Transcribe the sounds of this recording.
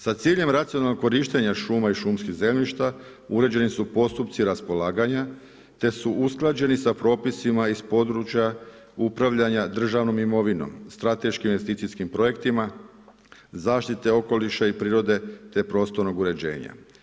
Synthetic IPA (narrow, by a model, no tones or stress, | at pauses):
sat̪siːʎe̞mɾat̪sionalokːoɾiːʃt̪e̞ɲaʃuːmaiʃuːmskiɣze̞mʲʎiʃt̪a | uɾe̞d͡ʑe̞nisupo̞st̪upt̪siɾaspo̞laːɡaɲa | t̪e̞suʔusklˠad͡ʑe̞nisapɾo̞ːpisimaispo̞d̪ɾut͡ʃja | upɾaʋʎaɲad̪r̩ʒaʋno̞mimo̞ʋino̰mst̪ɾat̪e̞ʃkimiʋest̪it̪siskimpɾo̞je̞kt̪ima | zaːʃt̪it̪e̞o̞ko̞liʃaipɾiːɾo̞d̪e̞t̪e̞pɾo̞ːst̪o̞ɾnoɡuɾe̞d͡ʑe̞̰ːɲa̰